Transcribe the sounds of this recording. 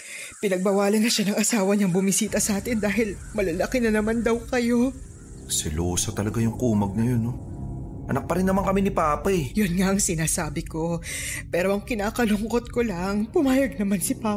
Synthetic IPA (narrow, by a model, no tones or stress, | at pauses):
pɪnɐɡ̚bɐwaːlɐnːɐʃanɐŋʔɐsaːwɐɲɐŋbʊmisiːt̪ɐsɐʔaːt̪ɪnd̪aːɦɪl | mɐlɐlɐkɪnɐnɐmand̪ɐwkɐjo̞ | sɪloːsɐt̪ɐlɐɡajʊŋkuːmɐɡ̚nɐjonːoʔɐ̰nɐk̚pɐɾɪnːɐmaŋkɐminɪpaːpajjonŋaʔɐŋsɪnaːsaːbɪko̞ | pɛːɾo̞ʔɐŋkɪnaːkɐloŋkot̪̚kolɐŋpʊmaːjɐɡ̚nɐmansɪpaː